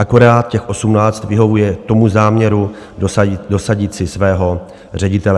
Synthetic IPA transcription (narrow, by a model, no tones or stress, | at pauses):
ʔako̞ɾaːt̪̚cɛxʔo̞sumnaːt͡st̪vɪɦo̞vujɛt̪o̞muzaːmɲɛɾu | do̞saɟɪt͡sɪsvɛːɦo̞ | r̝ɛɟɪt̪ɛlɛ